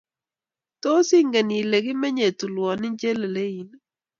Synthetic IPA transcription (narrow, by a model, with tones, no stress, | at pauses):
to˦si˦ŋɡe˨ni˨le˨ɡɪ˦mɛ˦ɲe˨tu˨lwɔ˨nɪ˦ɲd͡ʒe˦le˨le˦i˨n˦